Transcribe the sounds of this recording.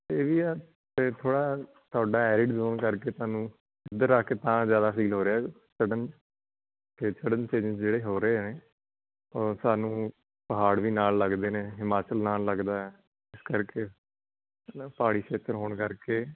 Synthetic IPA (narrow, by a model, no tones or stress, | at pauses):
t̪eːʋiːɛː | t̪eːt̪ʰoːɽaː | t̪ʊaːɖaːɛːɾɪʈzoːɳkəɾkeːt̪aːnũː | ɪd̪əɾːaːkeːt̪ãːzjaːd̪aːsiːlɦoːɾeaː | səɖən | keːt͡ʃəɽənt͡ʃeːd͡ʒə̃sd͡ʒeːɽeːɦoːɾəeːɛːneː | oːsaːnũː | pəɦaːɽʋiːnaːlːəɡd̪eːneːɦɪmaːt͡ʃəlnaːlːəɡd̪aːɛː | ɪskəɾkeː | paːɽiːʃeːtəɾɦoːɳkəɾkeː